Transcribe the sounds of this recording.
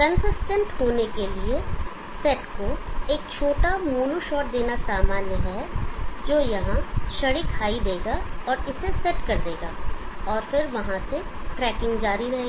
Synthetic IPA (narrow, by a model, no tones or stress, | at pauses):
kɐ̃nsɪsʈə̃ɳʈɦoːnekelie | sɛːʈkoeːk̚t͡ʃʰoːʈamuːnuʃɔːʈ̚d̪eːnasaːmaːnjəɦɛd͡ʒoːjɐɦãʃɐɽikʰaːid̪eːɡaɔːɾɪsesɛʈkɐɾd̪eːɡa̰ːɔːɾfɪɾʋɐɦãseʈɾɛːkɪ̃ŋɡd͡ʒaːɾiɾɐɦeːɡ